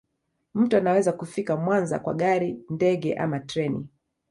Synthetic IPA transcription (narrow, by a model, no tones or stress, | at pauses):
m̩tuanawɛzakufikamwanza̰kwa̰ɠaɾindɛɠɛ̰ʔamatɾɛnḭ